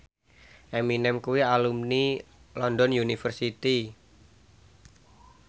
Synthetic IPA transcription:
ʔɛminɛmkuwialumnilɔndɔnjunifərsit̪i

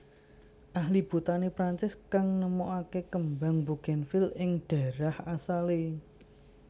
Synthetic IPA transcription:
ʔahlib̥ut̪anepɾaɲt͡ʃɪskaŋnəmoʔakekəmbaŋbuɡ̥ɛ̤nfɪlɪŋɖ̥a̤ɾahasale

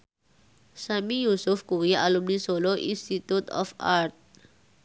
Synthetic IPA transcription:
samijusufkujiʔalumnisoloʔinst̪it̪ut̪ɔ̰faɾt̪̚

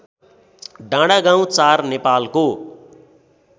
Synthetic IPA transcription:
ɖãɽaɡãw̃t͡sarnepalko

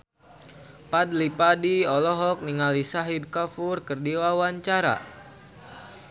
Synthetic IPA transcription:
pad̚lipadiɔlɔɦɔk̚niŋalisaɦid̚kafurkərdiwawaɲt͡ʃaɾa̰

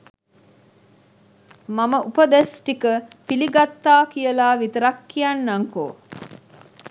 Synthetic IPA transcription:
maməʔupəd̪esʈikəpiliɡat̪ːaːkijəlaːʋit̪əɾɐkːijanːaŋko̰ː

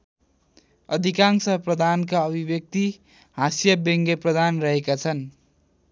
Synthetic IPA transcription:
ʌd̪ʱikansʌprʌd̪ʱankaʌbʱibjʌk̚t̪i | ɦasjʌbeŋɡeprʌd̪ʱanrʌɦekat͡sʰʌn

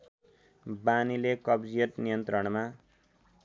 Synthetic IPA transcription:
banilekʌbd͡zijʌt̪nijʌnt̪ɾʌɽ̃ma

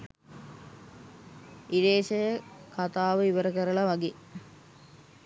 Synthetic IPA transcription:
iɖeːʃəjəkat̪aːʋəiʋəɾəkəɾəlɐʋaɡeː

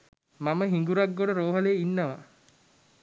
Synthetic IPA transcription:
maməɦiŋɡuɾaɡːoɽəɾoːɦəleːinːəʋa

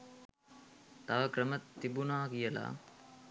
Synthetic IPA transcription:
t̪aʋəkɾəmət̪ːibunaːkijəla̰ː

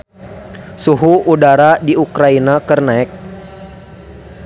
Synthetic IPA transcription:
suɦuʔudaɾadiukɾainakərnaɛk̚

